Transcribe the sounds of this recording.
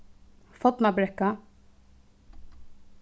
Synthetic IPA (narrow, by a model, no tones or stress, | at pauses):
fɔt̪nabɾɛkːa